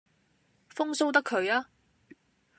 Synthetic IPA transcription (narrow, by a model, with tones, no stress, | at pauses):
fʊ˥ŋso˥wt̪ɐ˥kʰːɵ˨˧ɥaː˥